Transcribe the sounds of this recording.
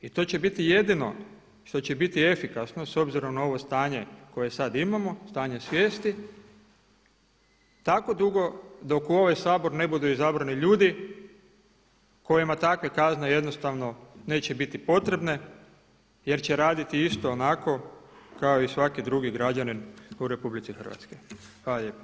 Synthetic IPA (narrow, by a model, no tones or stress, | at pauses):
it̪o̞t͡ɕe̞bit̪ije̞d̪ino̞̰ | ʃt̪o̞t͡ɕe̞bit̪ie̞fikasno̞so̞bziɾo̞mnao̞ʋo̞st̪aːɲe̞ko̞je̞sad̪imamo̞st̪aːɲe̞sʋʲje̞ːst̪i | t̪ako̞d̪uɡo̞d̪o̞kuo̞ʋajsaːbo̞ɾne̞bud̪uizabɾaniʎuːd̪i | ko̞jimat̪akʋe̞kazne̞je̞d̪no̞st̪aʋno̞ne̞ːt͡ɕe̞bit̪ipo̞t̪ɾe̞bne̞ | je̞ɾt͡ɕe̞ɾaːd̪it̪iist̪o̞ːnako̞kaoisʋakid̪ɾuɡiɡɾad͡ʑaninuɾe̞publit̪sixər̩ʋa̰t̪sko̞jxʋaːlaʎeːpa